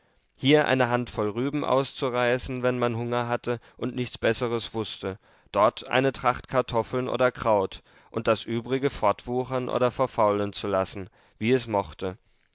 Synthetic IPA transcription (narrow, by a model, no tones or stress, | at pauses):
hiːɐʔa̰ɪnəɦantfɔlʁyːbm̩ʔa̰ʊst͡suʁaɪsn̩vɛnmanɦʊŋɐɦatʰə | ʔʊntnɪçt͡sb̥ɛsəʁəsv̥ʊstə | d̥ɔɐtʰʔa̰ɪnətʁ̥aχtkʰaɐtʰɔfl̩nʔo̰ːdɐkʁ̥aʊt | ʔʊnt̚d̥asʔyːbʁɪɡəfɔɐtv̥uːχɐnʔo̰ːdɐfɛɐfaʊlənt͡sulasn̩ | viːɛsmɔχtə